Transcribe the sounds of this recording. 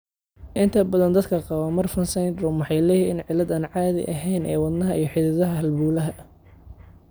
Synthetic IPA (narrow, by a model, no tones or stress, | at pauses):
ʔɪnt̪ʰɐbɐðɐnd̪ɐd̪kʰɐqɑβɐmɐrfɐnsɛjnd̪ɾɔmwɑħɑjlɛːjiɪnʕɪlɐd̪aːnʕɑːðɪ̰ʔɐɦɛjnʔɛ̰ːwɐd̪nɐɦɐʔijɞħɪðɪðɐɦɐɦɐlbuːlɐɦɐ